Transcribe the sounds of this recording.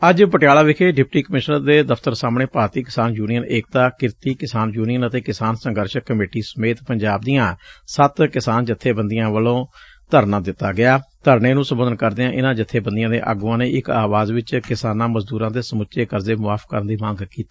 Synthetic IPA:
əd͡ʒpəʈjaːlaːʋɪkʰeːɖɪp̚ʈiːkəmɪʃnəɾd̪eːd̪əfʰt̪əɾsaːmɳeːpɾaːɾt̪iːkɪsaːnjuːnijəneːk̚t̪ãːkɪɾt̪iːkɪsaːnjuːnijənət̪eːkɪsaːnsəŋɡəɾʃəkːəmeːʈiːsəmeːt̪pəɲd͡ʒaːb̚d̪ijãːsət̪kɪsaːnd͡ʒɪt̪ʰːeːbənd̪ijãːʋəlõː | t̪əɾnãːd̪ɪt̪ːaːɡɪaːt̪əɾneːnũːsəmbənd̪ənkəɾd̪eːãːʔɪnãːd͡ʒɪt̪ʰːeːbənd̪ɪjãːd̪ḛːʔa̰ːɡuːãːneːʔɪkaːʋaːzʋɪt͡ʃkɪsaːnãːməzd̪uːɾãːd̪eːsəmʊtːʃeːkəɾd̪eːmʊaːfkə̰ɾənd̪iːmãːŋɡkiːt̪iː

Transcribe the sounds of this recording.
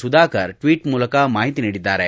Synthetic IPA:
sud̪akəɾʈʋiːʈmulkamaɦit̪iniɽid̪aɾɛ

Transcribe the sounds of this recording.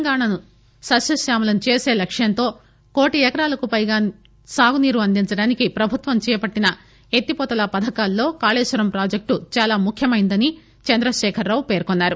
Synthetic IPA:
ŋɡaːɳanu | sɐsɐsjaːmulɐnut͡ʃeːse̞ːlɐkʂjɐnt̪o̞ː | ko̞ːʈiɛkɐɾaːlɐkupɐjɡaː | saːɡuniːɾuʋɐnd̪iɲt͡ʃɐɽaːnikipɾɐbʱut̪ʋɐmt͡ʃɛːjɐpɐʈːinɐ | et̪ːipɔːt̪ɐlɐpɐd̪ʱɐkaːlːo̞ːkaːleːʃʋɐɾɐmpɾaːd͡ʒek̚ʈut͡ʃaːlaːmukʰjɐmɐjind̪ɐni | t͡ʃɐnd̪ɾɐʃɛːkʰɐɾːaːwupe̞ːɾkonːaːɾu

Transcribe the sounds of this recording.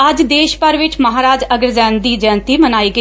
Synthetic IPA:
əd͡ʒd̪eːʃpəɾʋɪt͡ʃməɦaːɾaːd͡ʒəɡəɾzɛ̃ːnd̪iːd͡ʒɛ̃ːnt̪iːmənaːiːɡə

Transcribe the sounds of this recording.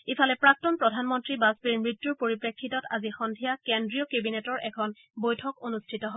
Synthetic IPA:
ifalɛpɹak̚tɔnpɹɔdʱanmɔntɹibasbiɹmɹitjuɹpoɹipɹekʰːitɔta̰zixɔndʱijakendɹiɔkebinetɔɹʔɛkʰɔn | bojtʰɔkonustʰitɔɦɔ

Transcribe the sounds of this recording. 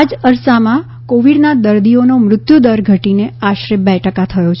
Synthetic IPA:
ad͡ʒəɾsamã | koʋiɽnad̪əɾd̪ionomɾʊt̪jud̪əɾɡʱəʈineaʃɾebɛjʈəkat̪ʰəjot͡ʃʰ

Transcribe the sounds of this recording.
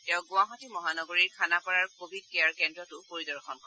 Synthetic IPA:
tɛʊɡʊ̃aɦɔtimɔɦanɔɡoɹiɹkʰanapɔɹaɹkobʱid̚keaɹkɛndɹɔtʊpoɹidɔɹxʰɔnkɔ

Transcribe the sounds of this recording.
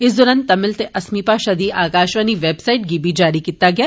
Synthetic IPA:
ɪsd̪ɔːɾə̃nt̪ːɐmɪlt̪eʔɐsmiːpaʃɐd̪iʔaːkaːʃʋaniʋeːbsaːɪʈ̚ɡiːbʱid͡ʒaːɾikiːt̪aɡɐjaː

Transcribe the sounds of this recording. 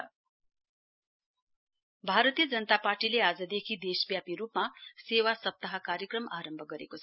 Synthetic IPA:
bʱaɾət̪ijəd͡zənət̪apaɾʈilead͡zəd̪ekʰid̪eʃbjapiɾuːpmaseʋasʌp̚t̪aɦakaɾjəkɾəmaːɾəmbʱɡʌɾḛkot͡sʰ

